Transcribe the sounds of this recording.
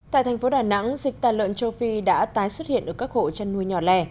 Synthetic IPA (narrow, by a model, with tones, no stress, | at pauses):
t̪a̰ː˧˨jt̪ʰɛ˨˩ŋfo˨˦ɗaː˨˩na̰˧˥ŋzï˨˩k̚t̪aː˨˩lə̰˧˨nt͡ɕə˧wfi˧ɗa̰ː˧˥t̪aː˨˦jswə˦˥t̚hḭ˧˨ənʔəː˧˩kaː˦˥k̚ho̰˧˨t͡ɕa˧nːu˧əjɲɔ˨˩lɛ˧˩